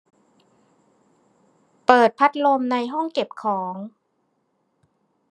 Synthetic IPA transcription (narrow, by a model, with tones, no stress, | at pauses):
pɤː˨˩t̪̚pʰa˦˥t̪̚lo˧mna˧jɦɔ˥˩ŋke˨˩p̚kʰɔː˩˦ŋ